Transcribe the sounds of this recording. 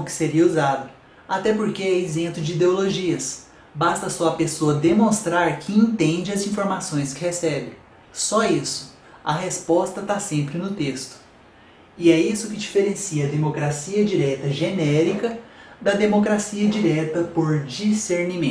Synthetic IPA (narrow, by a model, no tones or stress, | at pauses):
ʊkɪ̥seɾiɐuzad̪ʊ | at̪ɛpoɾkeɛezẽplʊd͡ʒɪid̪eoloʒiɐs | bast̪ɐsɔɐpesoɐd̪emõst̪ɾaɾkʰɪẽnt̪ẽd͡ʒɪɐzĩfoɾmasõj̃skɪhesɛbɪ̰̃ | sɔisʊ̥ | ɐɦespɔst̪ɐt̪asẽmpɾɪnʊt̪est̪ʊ̥ | ɪɛisʊkɪd͡ʒifeɾẽsiɐd̪emokɾasiɐd͡ʒiɾɛt̪ɐʒenɛɾikɐd̪ɐd̪emokɾasiɐd͡ʒiɾɛt̪ɐpoɾd͡ʒiseɾnimẽ